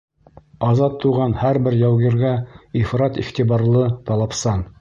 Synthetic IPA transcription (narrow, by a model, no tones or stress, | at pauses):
ɑzɑt̪ʰːuʁɑnhæɾbɘɾjæwɣiɾɡæifɾɑt̪ḭχt̪ibɑɾlˠɤt̪ɑlˠɑpsɑn